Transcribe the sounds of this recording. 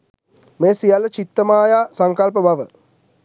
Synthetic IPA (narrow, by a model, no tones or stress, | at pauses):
meːsijalːət͡ʃit̪ːəmaːjaːsaŋkalp̬əbaʋə